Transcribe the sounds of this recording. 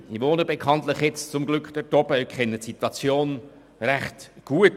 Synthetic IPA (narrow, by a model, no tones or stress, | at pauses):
iʋonəbekʰɑntləχjɛt͡st͡sʊmɡlʏkχd̥ɛɾtɔb̥əkʰχɛnːətsit̪wɑt͡sjoːn | ræχtɡ̥uət